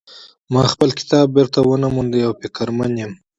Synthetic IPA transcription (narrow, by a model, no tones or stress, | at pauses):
mɑxpəlkɪ̥t̪ɑːb̚ːɪɾt̪awənamund̪eawpikaɾmanjem